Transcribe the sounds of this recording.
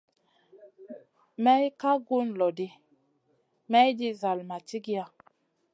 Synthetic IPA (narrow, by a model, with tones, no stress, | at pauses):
mɛ˦jka˦ɡu˦nlɔ˨di˦ | mɛ˦jdi˦za˨lma˨t͡ʃi˦ɡi˦a˨